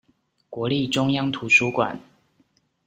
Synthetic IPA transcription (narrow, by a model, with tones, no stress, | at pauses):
kwɔ˨˦li˥˨ʈ͡ʂʊ˦ŋjɑ˦ŋt̪ʰu˨˦ʂu˦kwa̰˨˩n